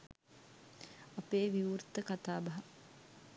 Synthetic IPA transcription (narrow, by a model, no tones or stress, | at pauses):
apeːʋiurt̪əkat̪aːbɐɦɐ